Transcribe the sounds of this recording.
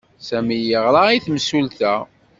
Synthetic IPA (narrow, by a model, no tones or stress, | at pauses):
sæmijəʁɾˤɑiθmsult̪æ